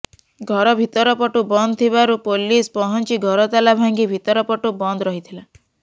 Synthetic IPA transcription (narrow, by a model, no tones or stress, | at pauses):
ɡʱɔɾɔbʱit̪ɔɾɔpɔʈubɔnd̪t̪ʰiβaɾupolispɔɦɔnt͡ʃiɡʱɔɾɔt̪alabʱaŋɡibʱit̪ɔɾɔpɔʈubɔnd̪ɾɔɦit̪ʰila